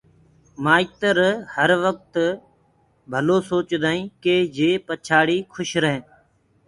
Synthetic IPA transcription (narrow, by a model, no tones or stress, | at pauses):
maːiːt̪əɾhəɾʋək̚t̪ | bʱəloːsoːt͡ʃd̪aːĩːkeːd͡ʒeːpət͡ʃʰaːɽiːkʰʊʃɾəɦẽː